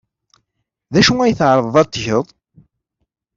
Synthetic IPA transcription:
ðæʃuŋæjəθʕɾˤəðˤðˤɑt̪ːʝəðˤ

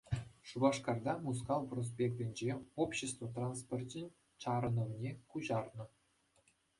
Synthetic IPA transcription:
ʂubɑʂkɑrd̪ɑmus̬kɑlˠpros̬pʲekt̪ʲɘ̆nʲd͡ʑeopɕest̪vot̪ranspʲortʲɘnʲ | t͡ɕɑɾɤ̆nɤ̆mnʲekuʑɑrnɤ̆

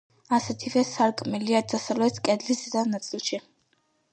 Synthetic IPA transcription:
asɛt̪ʰivɛsaɾkʼmɛliad̪asavlɛt̪ʰkʼɛd̪lisd̪anat̪sʼilˠʃi

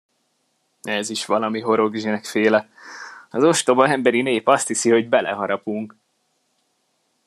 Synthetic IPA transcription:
ɛziʃʋɒlɒmiɦo̞ɾo̞ɡʒinɛkfeːlɛ | ɒzo̞ʃt̪o̞bɒɛmbɛɾineːpɒst̪hisiho̞ɟbɛlʔɛ̰ɦɒɾɒpuŋk

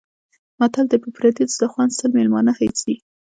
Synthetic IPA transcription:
mat̪ald̪əpəpɾad̪it͡sd̪əxwansəlmelmɑnahajt͡si

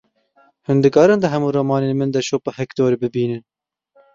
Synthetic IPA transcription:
hʊnd̪ɨkɑːɾɨnd̪ɨɦɛmuːɾɐmɑːneːnmɨnd̪ɛʃoːpahɛkt̪oːɾebɨbiːnɨn

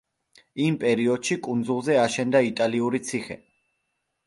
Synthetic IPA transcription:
impʼɛɾiɔd̪̥ʃikʼund̪zulˠzɛaʃɛnd̪ait̪ʼaliuɾit̪sʰiχɛ̰

